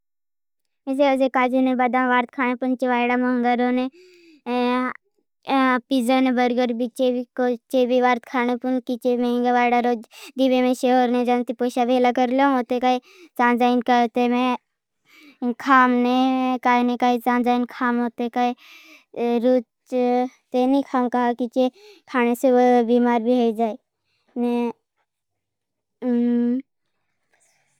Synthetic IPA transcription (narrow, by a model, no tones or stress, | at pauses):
es̬eozekaːd͡ʒinebɐd̪ãʋaːɾt̪̚kʰaːnepunt͡ʃeʋaːjɽamɐŋɡəɾone | pizanebɐɾɡəɾbit͡ʃeikot͡ʃebiʋaːɾt̪̚kʰaːnepunkit͡ʃemẽŋɡaʋaːjɽaɾoːd͡ʒd̪ibemẽʃeɦoːɾnẽd͡ʒɐnt̪ipoːʃabʱeːlakɐɾlooːt̪ekai | t͡ʃãːnd͡ʒaːinkət̪emẽ | kʰaːmnekaːjnekaːit͡ʃãːnd͡ʒaːinkʰaːmɦoːt̪ekaːi | ɾuːt͡ʃt͡ʃt̪enikʰaːmkaɦakit͡ʃekʰaːneseobiːmaːɾbʱiɦod͡ʒaːi | ne